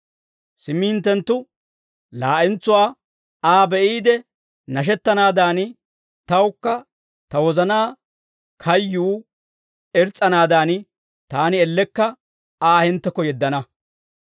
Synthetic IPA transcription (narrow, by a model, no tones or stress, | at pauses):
sɪmiːnt̪ːɛnt̪ːʊ | laːʔɛnt͡sːʊwaː | aːbɛʔiːd̪ɛ | nɐʃ̬ɛt̪ːɐnaːd̪aːn | t̪ɐwkːɐ | t̪ɐwɔzɐnaː | kʰɐjːuː | ɛɾt͡sʼːɐnaːd̪aːn | t̪aːnɪɛlːɛkːɐ | aːhɪnt̪ːɛkːɔjɛd̪ːɐnɐ